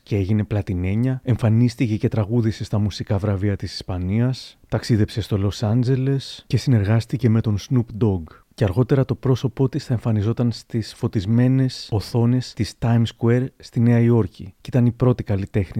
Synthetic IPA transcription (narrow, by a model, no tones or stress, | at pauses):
cee̞ʝine̞plɐt̪ine̞ɲɐe̞ɱfɐnist̪ice̞ce̞t̪ɾɐɣuðise̞st̪ɐmusikɐvɾɐviɐt̪isi̥spɐniɐst̪ɐksiðe̞pse̞st̪o̞lo̞sɐnd͡ʑe̞le̞sce̞sine̞ɾɣɐst̪ice̞me̞t̪o̞nsnupd̪o̞ɡ | ceɐɾɣo̞t̪e̞ɾɐt̪o̞pɾo̞so̞po̞t̪isθɐe̞ɱfɐnizo̞t̪ɐnst̪isfo̞t̪izme̞ne̞so̞θo̞ne̞st̪ist̪ɐjmskueɾst̪ine̞ɐio̞ɾcicit̪ɐnipɾo̞t̪ikɐlit̪e̞xni